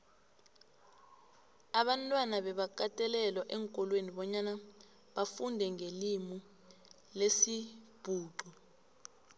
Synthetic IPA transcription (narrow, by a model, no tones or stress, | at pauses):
aɓantʼwanaɓɛɓak̬ʼatʼɛlɛlwaʔɛŋkʼɔlweniɓɔɲana | ɓafundʱɛŋelimu | lesib̥ʱuːǃɔ